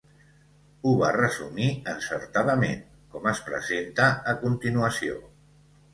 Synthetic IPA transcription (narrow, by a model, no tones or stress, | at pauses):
uβarəzṵmiənsə̰ɾt̪aðəmḛn | kɔməspɾə̰zent̪əːkunt̪inuəsio̰